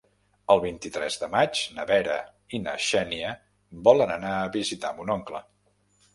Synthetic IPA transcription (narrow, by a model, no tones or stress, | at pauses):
əlˠβint̪it̪ɾɛzðəmad͡ʒnəβɛɾə̰ | inə̰ʃɛniə | bɔlənənaəβizit̪ambunɔŋklə